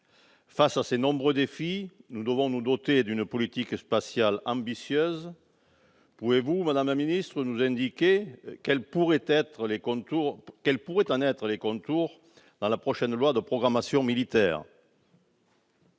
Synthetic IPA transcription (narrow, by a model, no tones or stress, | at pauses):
fasasenɔ̃bʁød̪efinud̪əvɔ̃nud̪ɔt̪ed̪ynəpɔlit̪ikspasjalɑ̃bisjøz | puvevumad̪amlaminist̪χənuzɛ̃nd̪ikekɛlpuʁet̪ɛt̪χəlekɔ̃t̪uʁkɛlpuʁɛt̪ɑ̃nɛt̪χəlekɔ̃t̪uʁ | d̪̥ɑ̃lapχɔʃɛnlwad̪əpχɔɡʁamasjɔ̃milit̪ɛ̰ːʁ